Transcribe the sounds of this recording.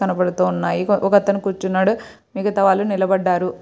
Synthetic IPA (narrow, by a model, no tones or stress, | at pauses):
ɐnɐpɐɽut̪uːunːaːjiʔɔkɐt̪ːɐnukuːɾt͡ʃunːaːɽu | miːkɐt̪ɐʋaːlːunilɐbɐɖːaːɾu